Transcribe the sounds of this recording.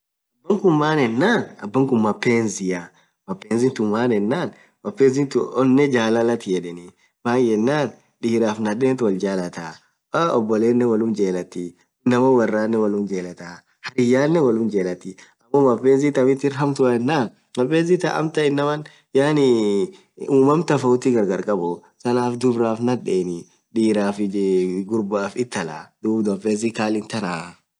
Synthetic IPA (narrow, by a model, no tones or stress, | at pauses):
ɐbːɐŋkʊmːaːnɛnːaːnɐbːɐŋkʊmmːɐpːeːnzɪjɐ | mɐpːeːnzɪnt̪ʊmːaːnɛnːaːn | mɐpːeːnzɪnt̪ʊɔnːɛd͡ʒaːlɐlɐt̪ɪjɛᶑɛni | baːkjɛnːaːn | ᶑɪhɪɾaːfnɐdeːt̪wɐld͡ʒaːlɐt̪aː | ɔbːɔleːnːɛwɐlʊnd͡ʒeːlɐt̪ːi | ɪnːɐmɐwɐrːaːnːɛwɐlʊnd͡ʒeːlɐt̪aː | hɐɾɪjːaːnːɛwɐlʊnd͡ʒeːlɐt̪ɪɐmːɔmɐpːeːz̬it̪ɐmɪt̪ːɪɾɦɐmt̪ʊɐɛnːaː | mɐpːeːz̬it̪ɐ̰ʔɐ̰mt̪ɐɪnːɐmɐn | jaːnɪ | uːmɐmt̪ɐfɐʊt̪ɪɡɐɾɡɐɾkʼɐbɔ | sɐnaːfd̪ʊbɾaːfnɐᶑeːnɪ | ᶑiːɾaːfɪɡʊɾbaːfɪt̪ːɐla̰ːd̪̥uːbd̪ɔfeːz̬ikaːlɪnt̪ɐnaː